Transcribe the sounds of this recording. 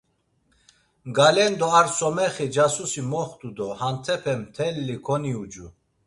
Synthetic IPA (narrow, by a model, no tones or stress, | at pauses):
ɡalɛnd̪ɔaɾsɔmɛχid͡ʒasusimɔχt̪ʼud̪ɔhant̪ʰɛpʰɛmt̪ʰɛlːikʰɔniud͡ʒu